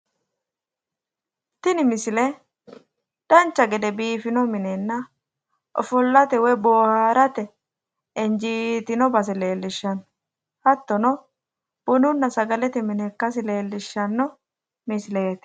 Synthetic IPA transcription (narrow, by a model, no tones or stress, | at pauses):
t̪ɪnɪmɪsɪlɛ | d̪̥ɐnt͡ʃːɐɡɛd̪ɛbiːfɪnɔmɪnenːɐ | ʔɔ̰fɔlːɐt̪ɛwɔjboːhaːɾɐt̪ɛ | ɛnd͡ʒiːt̪ɪnɔbɐs̬ɛle̞ːlːɪʃːɐn | hɐt̪ːɔnɔ | b̥ʊnʊnːɐsɐɡɐlɛt̪ɛmɪnɛkːɐs̬ɪle̞ːlːɪʃːɐnːɔ | mɪsleːt̪